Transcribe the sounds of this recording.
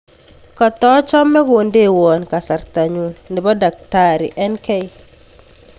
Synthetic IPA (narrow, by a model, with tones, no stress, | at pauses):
kɔ˨tɔ˦t͡ʃɔ˦mːɛ˦ɡo˨nde˦˨wɔ˨nka˨sa˨ɾt̪a˨ɲu˨nnɪ˨bɔ˦da˨k̚ta˦ɾɪ̰˨ʔɛ˦nkɛ˦i˦